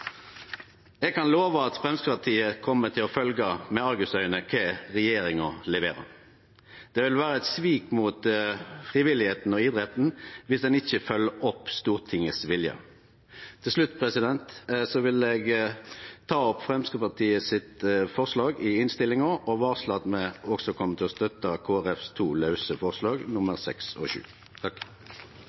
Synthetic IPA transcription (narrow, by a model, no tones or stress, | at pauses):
ɛɡ̚kʰɑnloːʋəɑt̪fʁɛmskəpɑt̪ʰiːəkʰɔmːət̪ʰɪlɔfœlɡəmɛɑɾɡʉsœʏənəkʰeʁɛjeːɾɪŋɔlɛʋḛːɾɑ̰ | d̪̥ɛʋɪlʋæːɾəɛt̪sʋiːkmuːt̪fʁɪʋɪlɪheːt̪n̩ɔɪd̪ʁɛt̪n̩ʋɪsd̪ɛnɪçːəfœlːəɔpːst̪uːʁt̪ʰɪŋəsʋɪljə̰ | t̪ʰɪlslʉt̪ːpʰʁɛsɪd̪ɛnt̪sɔʋɪlɛɡ | t̪ʰɑːɔpfʁɛmskəpɑʁt̪ʰiːəsɪt̪fɔʁslɑːɡɪɪnst̪ɪlːɪŋɔʔɔʋɑːʁslɑt̪mɛɔɡsɔkʰɔmːət̪ʰɪlɔst̪œt̪ɑkʰoːæʁɛfst̪ʰuːlɑʉsəfɔʁslɑːɡnʊməʁsɛ̰ksɔ̰ʃʉ̰ː | t̪ʰɑk